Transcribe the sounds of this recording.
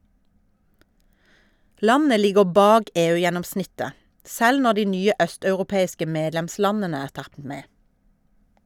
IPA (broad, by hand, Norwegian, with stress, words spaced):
ˈlɑnə ˈlɪɡəʁ ˈbɑːɡ ˈeːˌʉːjɛnɔmˌsnɪtə ˈsɛl ˈnɔ ˈdiː ˈnyːə ˈœstɑʉʁʊˌpeːɪskə ˈmeːdlɛmˌslɑnənə ˈæːʁ ˈtɑt ˈmeː